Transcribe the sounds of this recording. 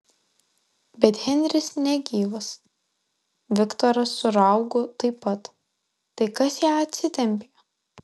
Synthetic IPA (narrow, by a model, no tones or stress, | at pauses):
bʲɛt̪hʲɛnʲd̪ʲɾʲɪsnʲɛɡʲiːʋɐs | ʋʲɪkt̪ɔɾɐsːʊɾɐˑʊɡoːt̪ɐɪpːɐt̪ː | ɐɪkɐsjæːɐt̪ʲsʲɪt̪ʲɛmʲpʲejo